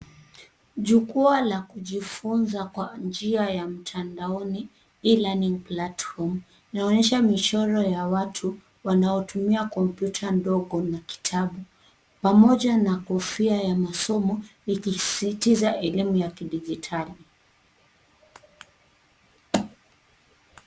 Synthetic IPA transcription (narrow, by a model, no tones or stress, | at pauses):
ʄukualakuʄifunzakwand͡ʒiajam̩tʰandaɔni | ilaniŋplatfɔm | inaɔɲɛʃamit͡ʃɔɾɔjawatʰu | wanaɔtumiakɔmpjutʰandɔɠɔnaki̥tʰaɓu | pamɔʄanakɔfiajamasɔmɔikisitizaʔɛlimujakiɗiʄitʰali